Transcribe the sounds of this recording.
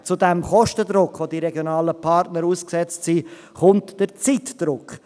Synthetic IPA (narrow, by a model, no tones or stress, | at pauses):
t͡sʊdɛmχɔʃtəd̪ɾʊkχʋodiɾɛɡjonɑːləpʰɑɾtnəɾuːsksɛt͡stsi | χʊntd̥əɾt͡sitd̥ɾʊkχ